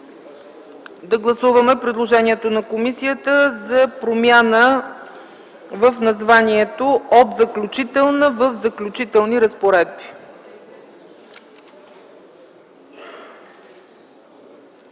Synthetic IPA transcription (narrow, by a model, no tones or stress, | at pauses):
d̪ɐɡlˠɐsuvəmɛpɾid̪lˠoʒɛniɛt̪onɐkomisijət̪əzɐpɾomʲjanə | vəfnɐzvaniɛt̪oot̪zɐklʲut͡ʃit̪ɛlˠnəvəfzɐklʲut͡ʃit̪ɛlˠniɾəspoɾɛd̪̚bi̥